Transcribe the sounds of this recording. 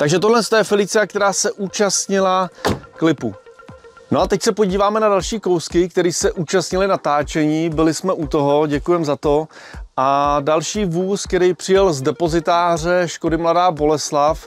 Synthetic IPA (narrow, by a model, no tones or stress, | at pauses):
t̪aɡʒɛt̪o̞dlɛnst̪ojɛfɛlɪt͡sɪak̚t̪ɛɾaːsɛʔuːt͡ʃast̪ɲɪlaklɪpṵ | noat̪ɛcsɛpo̞ɟiːvaːmɛnadalʃiːko̞wskɪk̚t̪ɛɾiːsɛʔuːt͡ʃast̪ɲɪlɪnat̪aːt͡ʃɛɲiːbɪlɪsmɛʔut̪o̞ɦo̞ɟɛkujɛmzat̪o̞ | ʔadalʃiːvuːskt̪ɛɾɛjpr̥ɪjɛlzdɛpo̞zɪt̪aːr̝ɛʃko̞dɪmladaːbo̞lɛslaf